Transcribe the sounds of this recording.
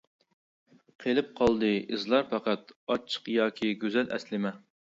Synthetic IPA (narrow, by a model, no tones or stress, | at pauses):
qʰelɪp̚qʰɑlˠd̪ɨɨzlˠɑɾpʰɑqæt̪ɑt͡ʃʰə̥qjɑːkʲʰiɡʲøzɛlʔɛ̰slɪmɛ